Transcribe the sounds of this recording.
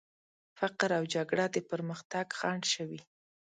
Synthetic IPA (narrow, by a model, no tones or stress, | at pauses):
faqɾawd͡ʒaɡɽad̪əpəɾməxt̪aɡxɑɳɖʃəwi